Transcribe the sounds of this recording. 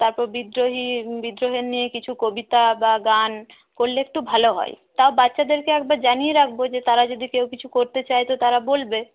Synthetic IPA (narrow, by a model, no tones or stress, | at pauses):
t̪aɾpɔɾbid̪ɾoɦibid̪ɾoɦeɾnijekit͡ɕʰukobit̪abaɡan | koɾleek̚ʈubʱaloɦɔ̰e | t̪aobat̪ːʃad̪eɾkeɛk̚baɾd͡ʑanijeɾak̚ʰbod͡ʑet̪aɾad͡ʑod̪ikewkit͡ɕʰukoɾt̪et͡ɕajt̪ot̪aɾabolbe